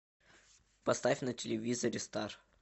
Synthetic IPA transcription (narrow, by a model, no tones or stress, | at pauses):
pɐst̪afʲnətʲɪlʲɪvʲizəɾʲɪst̪ar